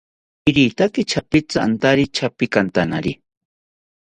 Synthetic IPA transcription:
ɪɾit̪akɪt͡ʃʰapɪt͡saant̪aɾit͡ʃʰapikant̪ana̰ɾi

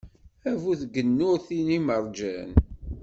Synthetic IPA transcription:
ævuθɡənːʊɾθiniməɾˤd͡ʒæn

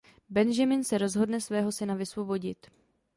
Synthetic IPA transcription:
bɛnʒamɪnsɛɾo̞zɦo̞dnɛsvɛːɦo̞sɪnavɪsvo̞bo̞ɟɪt̪

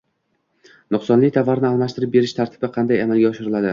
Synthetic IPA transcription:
nʊqsɒnlɪt̪ʰavaɾnɪalˠmaʃt̪ɪɾɪp̚be̞ɾɪʃt̪ʰaɾt̪ʰɪ̥bɪqʰɑnd̪ajamalˠɡʲaɒʃɪɾɪlad̪ɪ

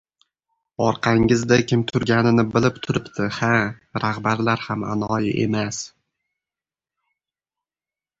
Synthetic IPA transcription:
ɒɾqʰɑŋɪzd̪akʲʰɪmt̪ʰʊɾɡʲanɪnɪbɪlɪpt̪ʰʊɾɪpt̪ʰɪhaɾahbaɾlaɾhama̰nɒjɪ̰ʔe̞̰mas

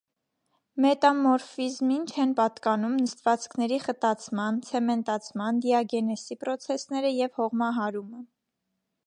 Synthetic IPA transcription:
mɛt̪ɑmɔɾfizmint͡ʃʰɛnpɑt̪kɑnumnəst̪vɑt͡skʰnɛɾiχət̪ɑt͡sʰmɑnt͡sʰɛmɛnt̪ɑt͡sʰmɑnd̪iɑɡɛnɛsipɾɔt͡sʰɛsnɛɾəjɛvhɔʁmɑɦɑɾumə

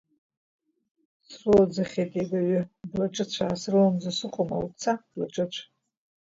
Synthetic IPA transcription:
srɨlad͡zaχʲetʼeɡaɥʏblaʈ͡ʂʼɨt͡ɕʷʰaːsrɨwamd͡zasɨqʷʼoma̰ut͡sʰab̥laʈ͡ʂʼɨt͡ɕʷʰ

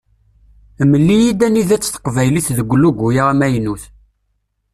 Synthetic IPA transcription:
məlːijid̪æniðæt͡sːθə̥qvæjliθðəɡʷluɡʷujaʁæmæjnuθ

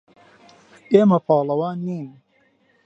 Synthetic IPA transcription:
ʔeːmɐpʰɑːlɐwaːnːiːn

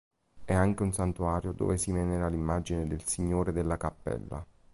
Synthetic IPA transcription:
ɛaŋk̟eunsant̪uaːɾjod̪o̰ːvesimɛneɾalimːad͡ʒined̪elsiɲːoːɾed̪elːakapːɛ̰lːa̰

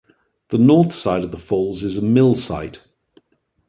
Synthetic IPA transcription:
ðənɔˑθsaɪɾəvðəfɔːlˠzɪzəmɪlˠsa̰ɪt

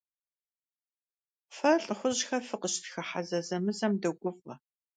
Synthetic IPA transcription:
fɐɬʼχʷʊʑxɐfɨqəʃtʰxɐħazɐzɐmɨzɐmdɐɡʷʊfɐ̰

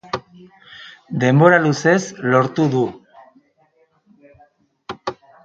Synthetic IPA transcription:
d̪e̞mbo̞ɾaluse̞zlo̞ɾt̪uðu

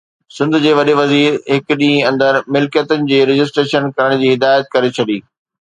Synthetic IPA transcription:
sɪ̃nd̪ʱʊd͡ʑeːʋɐɗeʋɐziːɾɦɪkɗĩːɐ̃nd̪əɾmɪlkjət̪ʊnɪ̆d͡ʑeːɾɪd͡ʑɪs̬ʈɾeːʃənkɐɾəɽ̃d͡ʑiːɦɪd̪aːjət̪̚kɐɾet͡ɕʰɐɗiː

